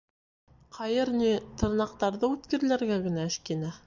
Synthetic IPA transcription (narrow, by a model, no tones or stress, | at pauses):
qʰɑjɤɾnit̪ɤ̆ɾnɑq̚t̪ɑɾðɤʉt̪kɘ̆ɾ̆læɾɡæɡɘ̆næɘ̆ʃkinæ